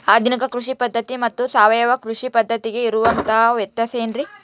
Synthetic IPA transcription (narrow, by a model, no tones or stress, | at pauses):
aːd̪ʱinikɐkɾuʂipɐd̪ːɐt̪imɐt̪ːusaːʋɐjɐʋɐkɾuʂipɐd̪ʱːɐt̪iɡe̞iɾuʋɐnt̪ɐɦɐʋjɛt̪ːjɐseːnɾi